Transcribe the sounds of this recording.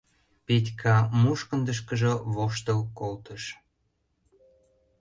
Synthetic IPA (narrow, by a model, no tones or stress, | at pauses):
petʲkʰɑmuʃkə̆nd̪əʃ̬kəʒə̆βoʃt̪əlkolt̪əʃ